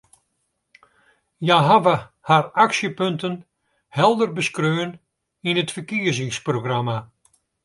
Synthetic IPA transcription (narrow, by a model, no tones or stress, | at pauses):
jaɦavə | haraksjəpøntʰən | hɛlˠdərbəskrøːn | inətfəkiəzɪŋsproɡrama